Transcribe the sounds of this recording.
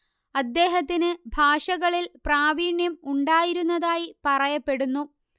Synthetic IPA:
ɐd̪ːe̞ːɦɐt̪ːinɨbʱaːʂɐɣɐɭilpraːʋiːɳjɐmuɳɖaːjiɾunːɐðaːjipɐrɐjɐpːe̞ɽunːu

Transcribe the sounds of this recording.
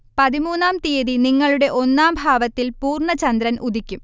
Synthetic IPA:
pɐðimuːnːaːmt̪ijɐðiniŋːɐɭuɽe̞ʔo̞nːaːmbʱaːʋɐt̪ːilpuːrɳɐt͡ɕɐnd̪ɾɐnʔud̪ʱikʲːum

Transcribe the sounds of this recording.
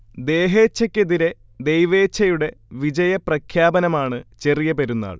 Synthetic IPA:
d̪e̞ːɦe̞ːt͡ɕːɐkʲːeðiɾe̞ | d̪ejʋe̞ːt͡ɕʰːɐjuɽe̞ʋid͡ʑɐjɐprɐkʰjaːbɐnɐmaːɳɨt͡ɕe̞rijɐbeɾunːa̰ːɭ

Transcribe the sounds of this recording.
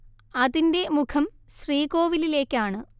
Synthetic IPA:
ɐðinde̞mukʰɐmɕriːko̞ːʋilile̞ːkːaːɳɨ

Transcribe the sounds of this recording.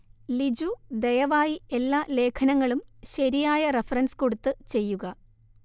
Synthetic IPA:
lid͡ʑud̪ejɐʋaːjie̞lːaːle̞ːkʰɐnɐŋːɐɭumɕɐɾijaːjɐrefɐrɐnsko̞ɽut̪ːɨt͡ɕe̞jːuɣɐ

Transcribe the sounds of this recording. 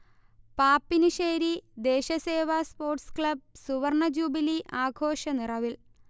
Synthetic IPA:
paːpːinɨʂeːɾid̪e̞ːɕɐse̞ːʋaːspo̞ːrʈskɭɐb̚suʋɐrɳɐd͡ʑuːbiliʔaːɡʱoːʂɐnirɐʋil

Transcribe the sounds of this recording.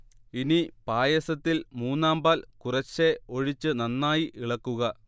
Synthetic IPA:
inipaːjɐsɐt̪ːilmuːnːaːmbaːlkurɐt͡ɕːe̞o̞ɻit͡ɕːɨnɐnːaːjiʔiɭɐkːuɣɐ

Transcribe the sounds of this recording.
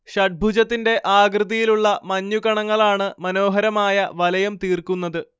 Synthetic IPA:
ɕɐʈ̚bʱud͡ʑɐt̪ːinde̞ʔaːɡrɨd̪ijiluɭːɐmɐɲːuɣɐɳɐŋːɐɭaːɳɨmɐno̞ːɦɐɾɐmaːjɐʋɐlɐjɐmt̪iːrkunːɐðɨ

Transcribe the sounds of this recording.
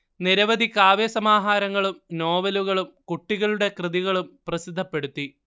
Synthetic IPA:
niɾɐʋɐd̪ʱikaːʋesɐmaːɦaːɾɐŋːɐɭumno̞ːʋɐluɣɐɭumkuʈːiɣɐɭuɽe̞krɨðiɣɐɭumprɐsid̪ʱːɐpːe̞ɽut̪ːi

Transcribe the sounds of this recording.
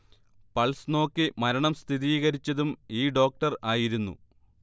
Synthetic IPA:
pɐlsno̞ːkːɨmɐɾɐɳɐmst̪ʰiðiːɣɐɾit͡ɕːɐðumiːɖo̞ːk̚ʈɐraːjiɾunːṵ

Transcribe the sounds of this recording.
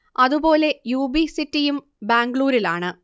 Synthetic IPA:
ɐðubo̞ːle̞juːbisitːijum | baːŋɡɭuːɾilaːɳɨ

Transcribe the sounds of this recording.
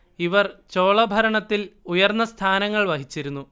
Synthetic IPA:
iʋɐrt͡ɕo̞ːɭɐbʱɐɾɐɳɐt̪ːilujɐrnːɐst̪ʰaːnɐŋːɐɭʋɐɦit͡ɕːiɾunːu

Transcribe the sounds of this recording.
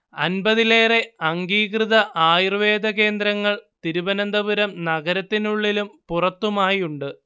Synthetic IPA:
ɐ̰nbɐðile̞ːre̞ɐŋɡiːkrɨðɐʔaːjirʋe̞ːd̪ɐke̞ːnd̪ɾɐŋːɐɭt̪iɾubɐnɐnd̪ɐʋuɾɐmnɐɡɐɾɐt̪ːinuɭːilumpurɐt̪ːumaːjiuɳɖɨ

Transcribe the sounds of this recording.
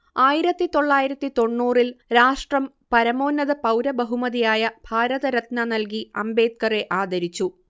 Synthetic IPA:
aːjiɾɐt̪ːit̪o̞ɭːaːjiɾɐt̪ːit̪o̞ɳːuːrilɾaːʂʈrɐm | pɐɾɐmo̞ːnɐðɐpɐwɾɐbɐɦumɐðijaːjɐbʱaːɾɐðɐɾɐt̪nanɐlkiɐ̰mbe̞ːt̪̚kɐre̞ʔaːd̪ɐɾit͡ɕːu

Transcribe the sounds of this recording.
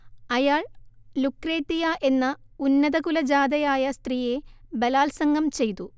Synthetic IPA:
ɐjaːɭ | lukre̞ːt̪ːijaʔe̞nːɐ | unːɐðɐkulɐd͡ʑaːd̪ɐjaːjɐst̪riːje̞bɐlaːlsɐŋɡɐmt͡ɕe̞jt̪u

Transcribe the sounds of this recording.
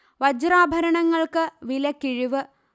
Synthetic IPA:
ʋɐd͡ʑraːbʱɐɾɐɳɐŋːɐɭkɨʋilɐkːiɻiʋɨ

